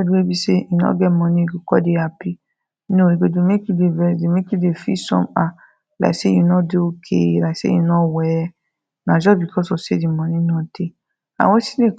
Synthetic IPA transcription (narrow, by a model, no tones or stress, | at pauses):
diwebiseinɔ̰̃ɡɛmɔ̃nĩiɡokɔ̰deapi | nõiɡodomekidevɛsdemekidefisɔ̰̃ma | la̰seĩnɔ̃deokʰḛlasḛĩnɔ̃wɛɛ | nãd͡ʒɔbikʰɔsɔsedimɔ̃nĩnɔ̃d̥e | a̰wɔ̃si̥nẽ